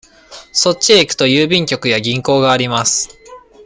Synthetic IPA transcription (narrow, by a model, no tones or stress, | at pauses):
so̞t͡ɕiekɯ̟̥t̪o̞jɯːbʲĩŋkʲo̞kɯ̟jaɡʲĩŋko̞ːɡaːɾʲimasɨ̥